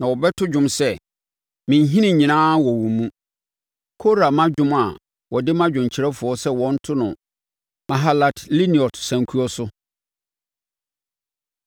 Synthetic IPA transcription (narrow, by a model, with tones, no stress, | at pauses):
nã˨wɔ˨bɛ˦tʰʊ˦d͡ʑᶣʊ̃˦msɛ˦˨ | mɪ̃˨ɲ˦ɦĩ˦nĩ˨ɲĩ˨nãː˦wɔ˨wũ˨mũ˦ | kʰo˦ɾa˨mã˦d͡ʑᶣʊ̃˦ma˨ | wɔ˨dɪ˦mã˦d͡ʑᶣʊ̃˨ɲ˨t͡ɕʰɪ˨ɾɛ˦fʊ˨ɔ˦sɛ˦wɔ̃˦n̩˦tʰʊ˦nʊ̰̃˨ | mã˨ɦa˦la˨tʰli˦ni˨ɔ˨tsã˨ŋ˨kʰu˦ɔ˦sʊ˦